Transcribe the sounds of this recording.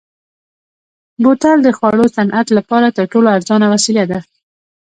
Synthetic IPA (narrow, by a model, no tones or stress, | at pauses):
bot̪ald̪əxwɑɽosanʔat̪lapɑɾat̪əɾʈoloaɾzɑnawasiljad̪a